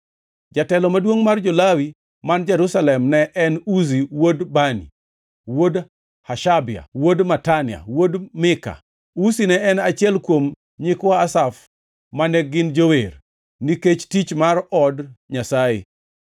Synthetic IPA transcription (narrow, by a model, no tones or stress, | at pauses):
d͡ʒatɛlɔmadwoŋmard͡ʒolawi | mand͡ʒɛɾusalɛmnɛʔɛnus̬iwodbanḭ | wod | haʃabɪa̰wodmatanɪa̰wodmɪka̰ | usinɛɛnat͡ʃɪɛlkwom | ɲikwaasaf | manɛɡɪnd͡ʒower | niket͡ʃtit͡ʃmarɔdɲasaɪ